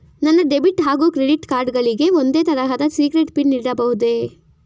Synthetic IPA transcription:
nɐnːɐɖe̞biʈɦaːɡuːkɾeɖiʈkaːɾɖɡɐɭiɡe̞ond̪eːt̪ɐɾɐɦɐd̪ɐsiːɡɾeʈpiɳniːɽɐbɐɦud̪e

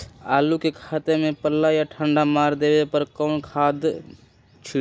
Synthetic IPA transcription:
alukekʰat̪emepəlːajaʈʰəɳɖamaɾd̪ebepəɾkənkʰad̪ | t͡ʃʰi

